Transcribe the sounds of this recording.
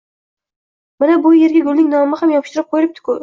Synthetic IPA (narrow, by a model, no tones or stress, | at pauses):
manabʊje̞ɾɡʲaɡʲʊlnɪŋnɒmɪhamjɒpʰɪʃt̪ɪɾɪp̚qʰojɪlɪp̚t̪ʰɪ̥kʲʰʊ